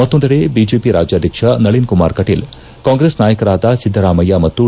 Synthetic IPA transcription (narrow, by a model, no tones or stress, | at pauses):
mɐt̪ːond̪ɐɽebid͡ʒeːpiɾa̰ːd͡ʒjaːd̪ʱjɐkʂɐnɐɭinkuma̰ːɾkɐʈeːl | kaːŋɡɾesnaːjɐkɐɾaːd̪ɐsid̪ʱːɐɾaːmɐjamɐt̪ːu